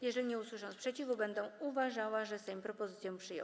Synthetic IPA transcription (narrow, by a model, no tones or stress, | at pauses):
jɛʐɛlʲiɲɛuswɘʂɔ̃ñspʂɛt͡ɕivubɛnd̪ɛ̃uvaʐawaʐɛst̪ɛ̃pɾɔpɔzɘt̪sjɔ̃pʂɘjɔ̰̃